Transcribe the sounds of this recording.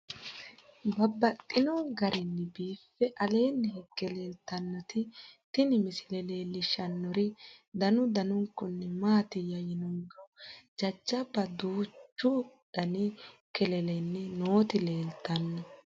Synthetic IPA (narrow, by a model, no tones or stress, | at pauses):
bɐbːɐtʼːɪnɔɡɐɾɛnːɪbiːfːɛʔɐle̞ːnːɛɦɛkːɛle̞ːlt̪ɐnːɔt̪ɪt̪ɪnɪmɪsɪlɛle̞ːlːɪʃɐnːɔɾɪd̪ɐnʊd̪ɐnʊŋkːɔnːɛmaːt̪ɪjɐjɪnʊŋɡɔd͡ʒɐd͡ʒːɐbɐd̪uːt͡ʃːʊdɐnɪkɛlɛlɛnːɛnoːt̪ɪleːlt̪ːɐnːɔ